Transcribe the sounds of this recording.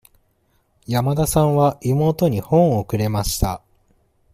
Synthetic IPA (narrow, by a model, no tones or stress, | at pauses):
jamad̪asãɰ̃βaʔimo̞ːt̪o̞ɲ̟ihõ̞ɰ̃oːkɯ̟ɾe̞maɕi̥t̪a